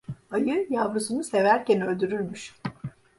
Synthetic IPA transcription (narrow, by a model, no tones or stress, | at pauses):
ajɯjavɯsunuse̞væɾcɛnø̞lʲd̪yɾyɾmyʃ